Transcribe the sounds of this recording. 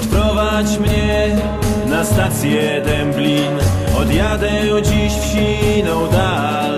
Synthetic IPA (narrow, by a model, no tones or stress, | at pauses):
fpɾɔva | t͡ɕmɲɛ | nast̪at̪sʲjɛ | d̪ɛmblʲin | ɔd̪jad̪ɛ | d͡ʑiɕfɕinɔwd̪a